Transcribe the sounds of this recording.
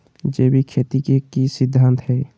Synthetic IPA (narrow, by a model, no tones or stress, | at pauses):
d͡ʒeːbʱikʰeːt̪ikekisɪd̪ʱːãːnt̪ɦɛː